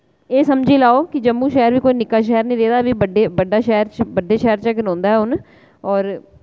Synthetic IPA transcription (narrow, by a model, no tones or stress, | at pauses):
eːsəmd͡ʒiːlaːoːkɪd͡ʒəmːũːʃɛːɾʋiːkoːiːnɪkːaːʃ̬ɛːəɾnəĩːɾeːd̪aːbiːbəɖeːbəɖːaːʃɛːɾt͡ʃbəɖːeːʃɛːɾt͡ʃaɡɪɾõːnd̪aːɦɛːʊn | ɔːɾ